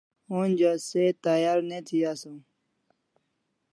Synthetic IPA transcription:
uːnd͡ʒaset̪aːjaːɾneːt̪ʰijaːsũː

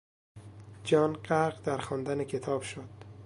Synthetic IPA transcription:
d͡ʒɒːnɢæɾɢd̪æɾxɒːnd̪ænecʰe̞t̪ʰɒːb̥ʃod̪̥

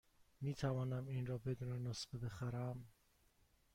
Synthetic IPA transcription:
miːt̪ʰævɒːnæminɾɒːbe̞d̪uːnenosbebe̞xæɾæm

